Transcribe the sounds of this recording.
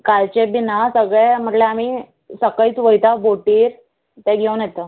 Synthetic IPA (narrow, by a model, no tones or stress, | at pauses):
kalt͡ɕebinasəɡɭem̤əʈleamiː | səkəiːt͡sʋəjt̪aboʈiːɾ | t̪ɛ̃ɡʱewnjɛt̪ə